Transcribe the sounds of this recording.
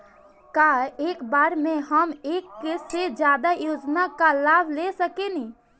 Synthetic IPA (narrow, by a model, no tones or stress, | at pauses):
kaeːkbaːɾmẽɦəmeːkːesed͡ʒjaːd̪ajoːd͡ʒnakalaːbʱlesəkeni